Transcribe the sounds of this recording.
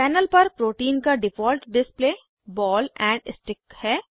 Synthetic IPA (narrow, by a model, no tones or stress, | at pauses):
pɛːnəlpɐɾpɾoːʈiːnkaɖɪfɔːlʈɖɪspleː | bɔːlɛ̃ːɳɖɪ̰sʈɪkhɛː